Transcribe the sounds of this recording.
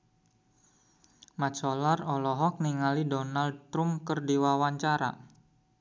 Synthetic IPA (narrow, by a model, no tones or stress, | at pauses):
mat͡ʃɔlarɔlɔɦɔk̚niŋalidɔnald̚t̪ɾumkərdiwawaɲt͡ʃaɾa̰